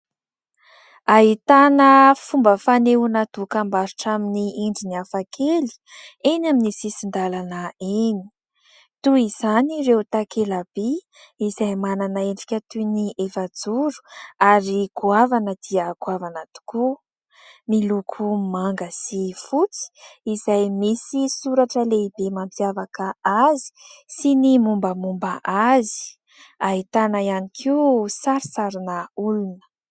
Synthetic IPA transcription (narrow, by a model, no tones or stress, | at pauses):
aɦit̪anəfumbəfaneunad̪ukambaɾuʈ͡ʂaminiiɳɖ͡ʐiniafakʰeli̥ | enaminisisind̪alanəeni̥ | t̪uiz̥aniɾewt̪akʰelab̥i | izajmananaeɳɖ͡ʐi̥kʲət̪uniʔefad͡zuɾu̥aɾikuavanəd̪iəkuavanat̪u̥ku | milukʰumaŋɡəsifut͡si̥izajmisisuɾaʈ͡ʂəleibemampjavakəazi̥sinimumbəmumbəʔazi̥ | ait̪anəianikʰiusaɾisaɾinəulunə̥